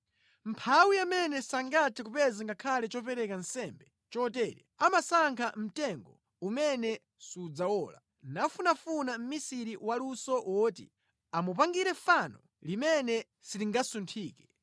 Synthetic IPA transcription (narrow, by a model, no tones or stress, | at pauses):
m̩pʰawiamɛnɛsaŋɡatʰikupɛziŋɡakʰalɛt͡ʃɔp̬ɛɾɛkansɛmbɛ | t͡ʃɔtɛːɾɛamasaŋkʰam̩tɛŋɡɔ | umɛnɛ | sud͡zawɔːla̰ | nafunafunam̩misiɾiwalusɔwɔːtḭ | amup̬aŋɡiɾɛfanɔ | limɛnɛ | siliŋɡasuntʰiːkɛ